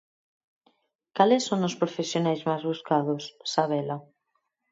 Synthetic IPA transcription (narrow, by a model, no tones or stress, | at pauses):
kalɛsːoŋʊspɾofesjonajzmajzβuskaðʊsːaβɛla